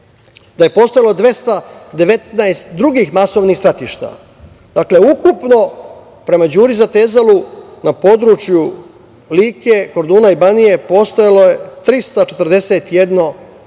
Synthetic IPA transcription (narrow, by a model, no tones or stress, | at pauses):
d̪aje̞po̞st̪ojalo̞d̪ʋe̞st̪ad̪e̞ʋe̞t̪naest̪d̪ɾuɡiːxmaso̞ʋnixsɾat̪iʃt̪a̰ | d̪akle̞ukupno̞ | pɾe̞mad͡ʑuːɾizat̪ezalunapo̞d̪ɾut͡ʃju | liːke̞koɾd̪uːnaibanije̞po̞st̪ojalo̞jet̪ɾist̪at͡ʃe̞t̪ɾd̪e̞set̪jed̪no̞